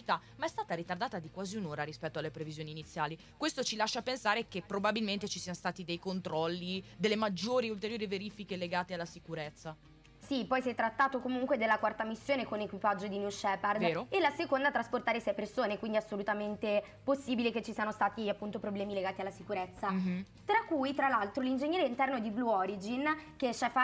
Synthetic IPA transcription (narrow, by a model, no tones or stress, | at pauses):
t͡ʃit̪amaɛst̪aːt̪aɾit̪ard̪aːt̪ad̪ikwaːziunoːɾaɾispɛt̪ːoalːepɾevizjoːniːnit̪sːjaːli | kwest̪ot͡ʃilaʃːapensaːɾekepːɾobabilment̪et͡ʃisiːanost̪aːt̪id̪ejkont̪ɾɔlːid̪elːemad͡ʒːoːɾiult̪eɾjoːɾiveɾiːfikeleɡaːt̪ealːasikuɾet̪sːa | sipɔjsjɛt̪ːɾat̪ːaːt̪okomuŋkwed̪elːakwart̪amisːjoːnekonekwipad͡ʒːod̪injuʃɛːpard̪eːɾoelːasekond̪at̪ɾasport̪aːɾesɛjpersoːnekwind̪iasːolut̪ament̪e | posːiːbileket͡ʃːisiːanost̪aːt̪iapːunt̪opɾoblɛːmileɡaːt̪ialːasikuɾet̪sːa | t̪ɾakːujt̪ɾalːalt̪ɾolind͡ʒeɲːɛːɾeint̪ɛrnod̪ibluɔɾid͡ʒink̟et͡ʃːɛfa